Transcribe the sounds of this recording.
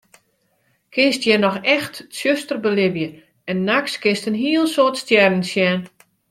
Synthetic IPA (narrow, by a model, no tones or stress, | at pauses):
kʰɪnstjɛnɔxɛxtsjøstərbəlɪvjə | ɛnːakskɪnstənɦiəlˠsoːtstjɛrn̩sjɛːn